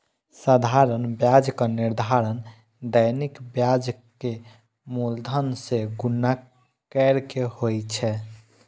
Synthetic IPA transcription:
səd̪ʱaɾənbjad͡ʒkəniɾd̪ʱaɾən | d̪əjnikbjad͡ʒke | muld̪ʱənseɡunːa | kɛɾkehojt͡ʃʰɛ

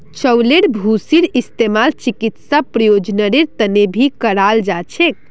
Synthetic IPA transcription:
t͡ʃəwleɽbʱusiɾist̪emalt͡ʃikit̪sapɾəjod͡ʒnəɾeɾt̪ənebʱikəɽald͡ʒat͡ʃʰek̚

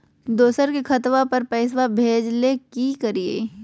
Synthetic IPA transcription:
d̪oːsəɾkekʰɐt̪ʋapɐɾpɛːs̬wabʱeːd͡ʒlekikɐɾiḛː

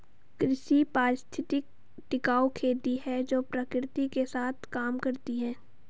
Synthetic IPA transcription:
kɾɪʃipaːɾɪst̪ʰɪt̪ɪk̚ | ʈɪkaːokʰeːd̪iɦɛd͡ʒoːpɾəkɾɪt̪ikesaːt̪ʰkaːmkɐɾt̪iɦɛ̃ː

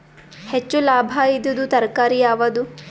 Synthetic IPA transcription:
het͡ʃːulaːbʱɐid̪ud̪ut̪ɐɾkaːɾijaːʋɐd̪u

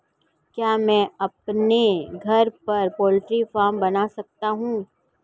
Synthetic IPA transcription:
kjaːmɛ̃ːɐpneɡʱɐɾpɐɾpɔːlɪʈɾifaːɾmbɐnasɐk̚t̪aɦũː

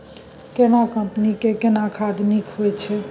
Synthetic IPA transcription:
kenakəmpnikekenakʰad̪nikɦoet͡ʃʰe

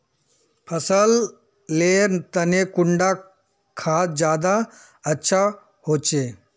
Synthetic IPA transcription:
pʰɐsəl | leːɾt̪ənekʊɳɖa | kʰaːt̪d͡ʒjaːd̪a | ɐtːʃʰa | hoːt͡ʃeː

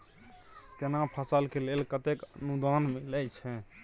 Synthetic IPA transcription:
kenapʰəsəlkelelkət̪ekənud̪ʱanmilət͡ʃʰɛ

